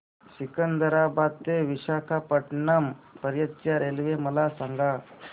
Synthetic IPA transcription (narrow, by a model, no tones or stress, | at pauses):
sikənd̪əɾabad̪̚t̪eʋiɕakʰapəʈɳampəɾjət̪t͡ʃaɾelʋeməlasaŋɡa